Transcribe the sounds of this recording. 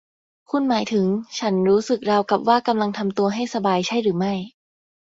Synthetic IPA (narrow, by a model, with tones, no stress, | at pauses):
kʰu˧˥nmaː˩˦jt̪ʰɯ˨˩˦ŋt͡ɕʰa˦˥nɾuː˦˥sɯ˨˩k̚ɾa˧wka˨˩p̚waː˥˩ka˧mla˧ŋt̪ʰa˧mt̪u˧ɐɦa˥˩jsa˧baː˧jt͡ɕʰa˥˩jɾɯː˩˦ma˥˩j